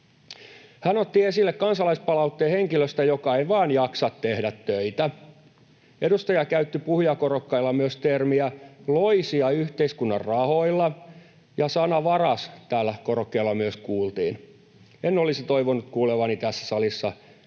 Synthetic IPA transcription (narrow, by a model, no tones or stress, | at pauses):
hænot̪ːiesilːekkɑnsɑlɑispɑlɑut̪ːeːheŋkiløst̪æjokɑeiʋɑːnjɑksɑt̪t̪ehdæt̪tøit̪æ | edust̪ɑjɑkæyt̪ːipuhujɑkorokːɑilːɑmyøst̪ermiæloisiɑyht̪eiskunːɑrrɑhoilːɑ | jɑsɑnɑʋɑrɑst̪æːlːækorokːeːlːɑmyøskuːlt̪ḭːn | enːolisit̪oiʋonut̪kuːleʋɑnit̪æsːæ̥sɑlisːɑ̰